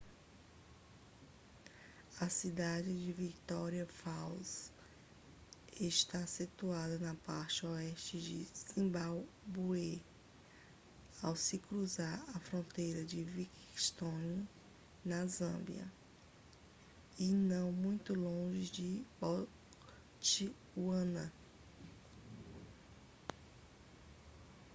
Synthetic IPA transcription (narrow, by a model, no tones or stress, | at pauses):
ɐsid̪ad͡ʒɪd͡ʒɪvikt̪ɔɾiɐfaws | ɪʃt̪asit̪uad̪ɐnɐpaɾt͡ʃɪɔɛʃt͡ʃɪd͡ʒɪsĩbawbue | awsɪkɾuzaɾɐfɾõnt̪ejɾɐd͡ʒɪvik | st̪õn | nɐzɐ̰̃bj̰ɐ̰ | inɐ̃w̃mũj̃t̪ʊlõʒɪd͡ʒɪbɔ | t͡ʃi | uɐ̃nɐ